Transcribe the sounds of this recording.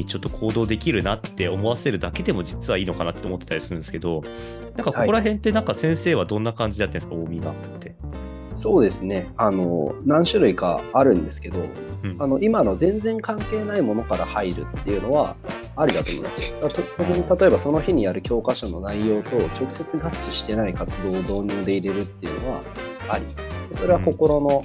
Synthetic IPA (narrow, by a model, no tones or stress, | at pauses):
it͡ɕo̞t̪ːo̞kʰo̞ːd̪o̞ːd̪e̞kʲiɾɯ̟nat̪ːe̞omo̞βase̞ɾɯ̟d̪ake̞d̪e̞mo̞d͡ʑit͡sɨβaiːno̞kanat̪ːeomo̞t̪ːet̪aɾʲisɨɾɯ̟nd̪sɨ̥ke̞d̪o̞ | nãŋkakokoɾaɦẽ̞nt̪ːe̞nãŋkasẽ̞ɰ̃se̞ːβad̪õ̞nːakãɲ̟d͡ʑid̪et̪ːensɨ̥kaoːmʲiɡakɯ̟̥t̪ːe̞ | so̞ːd̪e̞sɨne̞ano̞̰nãɰ̃ɕɨɾɯ̟iɡa̰ːɾɯ̟̃nd̪e̞sɨ̥ke̞d̪o̞̰ | ano̞ʔimano̞zẽ̞nd͡zẽ̞ŋkãŋke̞ːnaimo̞no̞kaɾahaiɾɯ̟̰t̪ːe̞iɯ̟no̞β̞a̰ː | ɾʲid̪at̪oːmo̰ḭmasɨ̥jod̪at̪ot̪okiɲit̪at̪o̞e̞baso̞no̞çiɲ̟ijaɾɯ̟kʲo̞ːkaɕo̞no̞naijo̞ːt̪o̞t͡ɕo̞kɯ̟̥se̞t͡sɨɡat͡ɕːiɕi̥t̪e̞naikat͡sɨd̪o̞ːd̪o̞ːɲ̟ʲɨːd̪e̞iɾe̞ɾɯ̟t̪ːe̞iɯ̟̰no̞βa̰ | aɾʲimasd̪eso̞ɾe̞βako̞ko̞ɾo̞no̞